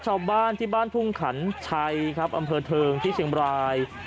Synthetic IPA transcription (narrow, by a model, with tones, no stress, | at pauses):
t͡ɕʰaː˥˩baː˥˩nt̪ʰiː˥˩baː˥˩np̪ʰu˥˩ŋkʰa̰˩˦nt͡ɕʰa˧jkʰɾa˦˥p̚ʔa˧mpʰɤː˧t̪ʰɤː˧ŋt̪ʰiː˥˩t͡ɕʰi˨˦əŋbɾaː˧j